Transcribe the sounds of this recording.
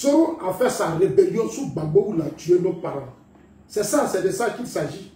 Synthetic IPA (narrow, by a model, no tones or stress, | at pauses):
soɾuafɛsaɾebeliosuɡ͡baɡ͡bowulat͡ʃuenõk͡paɾa | sɛsãsɛdesakĩsad͡ʒi